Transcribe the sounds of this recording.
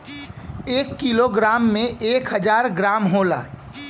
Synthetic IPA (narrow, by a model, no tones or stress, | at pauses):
eːkːiloɡɾaːmːẽeːkɦəd͡ʒaːɾɡɾaːmɦoːla̰ː